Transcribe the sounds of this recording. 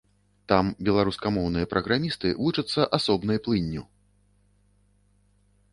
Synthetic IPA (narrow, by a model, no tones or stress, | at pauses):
t̪ambʲɛlˠaɾuskɐmɔwnɨjɐpɾɐɣɾamʲist̪ɨ̰vut͡ʂɐt̪sːɐʔasɔbn̪ɐjplˠɨnʲːu